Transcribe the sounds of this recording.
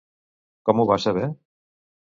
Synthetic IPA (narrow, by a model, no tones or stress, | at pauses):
kɔmuβasəβɛ